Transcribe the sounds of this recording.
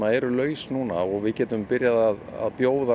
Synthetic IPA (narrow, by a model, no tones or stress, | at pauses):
aɛɾʏlœːɥsnuːnaɔɣvɪðcɛːt̪ʏmpɪɾjaðaða̰ðpjoːwða